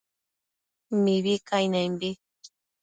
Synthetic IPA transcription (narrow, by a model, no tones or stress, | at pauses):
miβikajnajmbi